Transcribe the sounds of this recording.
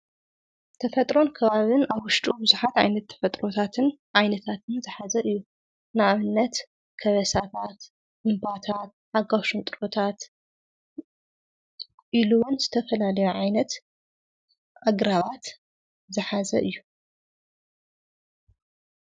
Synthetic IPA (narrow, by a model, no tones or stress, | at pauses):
t̪ʰɐfɐt̪ʼɾo̞nkʰɐβaβɨnaβwʊʃt̪ʼubɨzuħat̪ʕajnɐt̪ʰːɐ̥fɐt̪ʼɾo̞t̪ʰat̪ʰɨnʕajnɐt̪ʰat̪ʰɨnzɨħazɐʔɨjːu | naʔaβɨnːɐt̪ | kʰɐβɐsat̪ʰat̪ | ʔɨmbat̪ʰat̪̚ʔaɡaʃunt̪ʼɨɾot̪ʰat̪ | ʔiluwunzɨt̪ʰɐfɐlalɐjuʕajnɐt̪ | ʔaɡɾaβat̪ | zɨħazɐʔɨjːu